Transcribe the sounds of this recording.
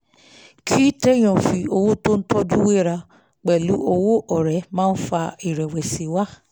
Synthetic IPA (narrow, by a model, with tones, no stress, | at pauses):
kʰi˦te˦j̃ɔ̃˨fi˧o˧wo˦to˦n̩˦tɔ˦d͡ʒu˦we˦˨ɾa˧ | k͡pɛ˨lu˨˦ʔo˧wo˦ʔɔ˨ɾɛ˨˦mãː˦˧n̩˦fa˧i˨ɾɛ˨wɛ˨se˨˦wa˦